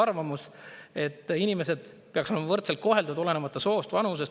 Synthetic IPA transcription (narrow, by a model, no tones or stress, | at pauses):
ɑrvɑmuse̞t̪ːˑinime̞se̞d̪̥ | pe̞ɑksolemɑvɤrt̪selt̪̚ko̞ɦe̞ld̪ɑd̪ole̞nemɑt̪ːˑɑso̞ːst̪vɑnus̬e̞s